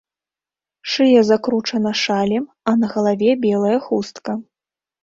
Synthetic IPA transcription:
ʂɨjɛzakɾut͡ʂɐnɐʂalʲɛm | ɐnɐɣɐlˠavʲɛbʲɛlˠɐjɐxust̪kɐ

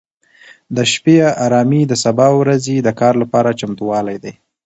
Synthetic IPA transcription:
d̪əʃpeaɾɑmid̪əsabɑwɾazed̪əkɑɾlapɑɾat͡ʃamt̪uwɑlajd̪aj

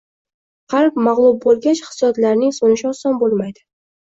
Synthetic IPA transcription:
qʰɑɾpmɑʁlˠʊb̚bolˠɡʲat͡ʃχɪ̥sjɒd̪laɾnɪŋsonɪʃɪɒsɒnbolˠmajd̪ɪ

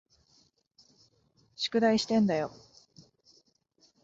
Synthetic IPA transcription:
ɕi̥kɯ̟d̪aiɕi̥t̪ẽ̞nd̪ajo̞

